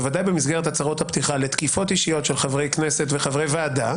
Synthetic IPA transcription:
vad̪ajbemisɡeʁetat͡saʁo̞t̪hapt̪iχale̞t̪kifo̞t̪iʃijo̞tʃelχavʁe̞jknese̞tveχavʁe̞jveːd̪a

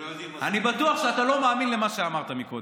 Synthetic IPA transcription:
anibat̪uaχʃeat̪alo̞maːminlemaʃeamaʁt̪amikod

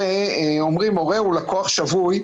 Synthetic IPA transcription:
eomʁimo̞ʁeulakoaχʃavuj

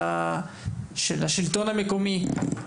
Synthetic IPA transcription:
ʃelaʃilt̪onhameko̞mi

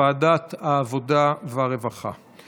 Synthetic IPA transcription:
aːdataːvo̞daveaʁevaχa̰

